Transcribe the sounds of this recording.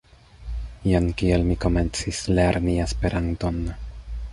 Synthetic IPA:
iankielmiko̞me̞nt͡sisleɾniespe̞ɾʔant̪o̞n

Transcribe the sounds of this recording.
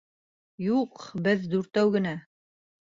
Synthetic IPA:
juqbɘðd̪ʉɾt̪æwɡɘ̆næ

